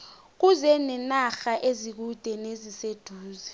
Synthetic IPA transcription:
k̬uzɛnɛnaxaʔezik̬ud̥ʱɛnezised̥ʱuːzɛ

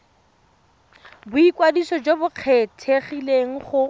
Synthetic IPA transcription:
bʊikwadisɔd͡ʒobʊq͡χʰɛtʰeχileŋ̩χʊ

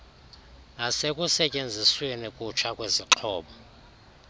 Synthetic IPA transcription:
nasekʼusɛcʼend͡zʱiswenikʼut͡ʃʰakʼweziǁʰɔːɓɔ

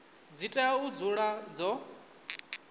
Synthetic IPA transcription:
d͡zitʼaud͡zuɺad͡zɔ

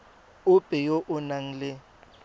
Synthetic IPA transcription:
ʊpʼɪjoʔʊnaŋ̩lɪ

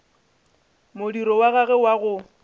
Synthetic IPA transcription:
mʊdiɾɔwaɣaɣɛwaɣʊ

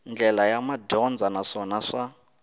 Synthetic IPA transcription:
nd͡ɮɛlajamadɔnd͡zanaʂɔnaʂa

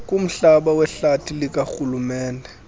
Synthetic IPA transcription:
kʼum̩ɬaɓawɛɬatʰilik̬ʼaxulumɛːndʱɛ

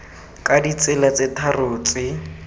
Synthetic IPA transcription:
kʼadit͡sɪlat͡setʰarʊːt͡sʼɪ

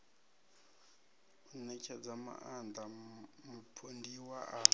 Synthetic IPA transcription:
unɛkʰʼɛd͡zama̰ʔandamupʰondiwaʔa

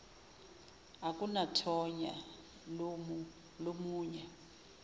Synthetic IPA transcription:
akʼunatʰɔɲa̰ | m | lomuːɲɛ

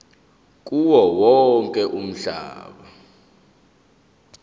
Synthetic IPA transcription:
k̬ʼuwɔwɔŋkʼɛʔum̩ɬa̰ːɓa

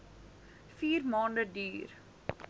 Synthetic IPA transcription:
fiːrmɑːndədyːr

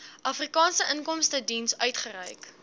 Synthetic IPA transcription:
ʔɐfrikɑːnsəʔənkɔmstədinsœɥtχəɾɛ̰jk

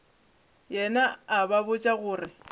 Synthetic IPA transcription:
jɛnaːbabʊt͡ʃʼaɣʊːrɪ

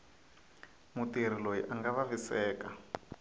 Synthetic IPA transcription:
mutiɾ̤ilojiʔaŋɡaβavisɛːka

